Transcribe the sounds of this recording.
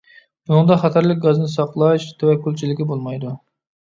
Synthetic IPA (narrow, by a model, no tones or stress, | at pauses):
bunɨŋd̪ɑχɑt̪ʰæɾlɪk̚ʲɡɑznɨsɑqlˠɑʃt̪ʰæwɛkʲːylt͡ʃʰilɪkʲibolˠmɑjd̪u